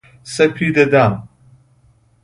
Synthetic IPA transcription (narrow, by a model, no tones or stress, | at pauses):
sɐpʰid̪ɐd̪aːm